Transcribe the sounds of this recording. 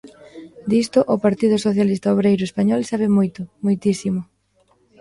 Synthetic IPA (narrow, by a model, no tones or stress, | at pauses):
d̪ist̪ʊʔʊpaɾt̪iðʊsoθjalist̪aoβɾejɾʊespaɲɔlsaβɪmojt̪ʊmojt̪isimʊ